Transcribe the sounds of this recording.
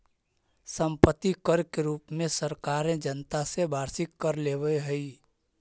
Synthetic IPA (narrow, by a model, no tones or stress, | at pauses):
sə̃mpət̪ːikəɾkeɾuːpmẽsəɾkaːɾẽd͡ʒənt̪asebʱaːɾsɪkːəɾleːʋəeɦəi